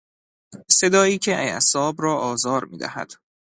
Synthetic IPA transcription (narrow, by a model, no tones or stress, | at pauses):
se̞d̪ɒːiːcʰeʔæjæ̰sɒːbrɒːʔɒːzɒːɾmḭːd̪æ̰hæ̰d̪̥